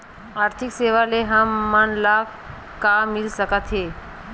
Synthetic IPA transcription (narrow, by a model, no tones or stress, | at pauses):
aːɾt̪ʰikseʋaleɦəmːanla | kamilsəkət̪ɦe